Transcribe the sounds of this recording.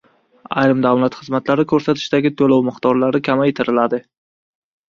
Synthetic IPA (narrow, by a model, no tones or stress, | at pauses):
a̰jɾɪmd̪awlat̪χɨzmat̪laɾɪkʲʰɵɾsat̪ʰɪ̥ʃd̪aɡʲɪt̪ʰolawmɨqt̪ɒɾlaɾɪkʲʰamajet̪ʰɪɾɪlad̪ɪ